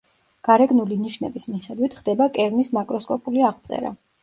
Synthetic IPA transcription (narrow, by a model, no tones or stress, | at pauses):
ɡ̥aɾɛɡnuliniʃnɛbismiχɛd̪wit̪ʰχd̪ɛbakʼɛɾnismakʼɾɔskʼɔpʼuliaʁt̪sʼɛ̰ɾa̰